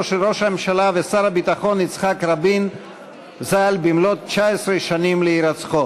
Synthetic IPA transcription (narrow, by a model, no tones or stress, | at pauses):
ʃɾoʃamemʃalavesaɾabit̪aχo̞nit͡sχakɾabin | zalbimlot̚t͡ʃaesɾeʃanimleiɾat͡sχo